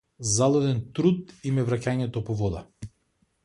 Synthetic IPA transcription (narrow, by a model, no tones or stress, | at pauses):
zalˠɔd̪ɛnt̪ɾut̪imɛvɾacaɲɛt̪ɔpɔvɔd̪a̰